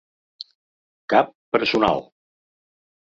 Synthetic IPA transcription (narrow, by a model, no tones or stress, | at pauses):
kapːəɾsuna̰lˠ